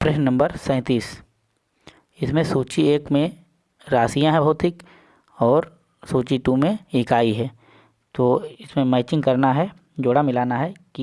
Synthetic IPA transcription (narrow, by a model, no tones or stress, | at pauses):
pɾeɦnɐ̃mbəɾsɛ̃ːt̪iːs | ɪsmẽsuːt͡ʃieːkmẽ | ɾaːsijãɦɛbʱɔɦːt̪ʰːɪk | ɔːɾ | suːt͡ʃiʈumẽɪkaːiɦɛː | t̪oːɪsmẽmɛːɪt͡ʃɪ̃ŋɡkɐɾnaɦɛ | d͡ʒoːɽamɪlaːnaɦɛki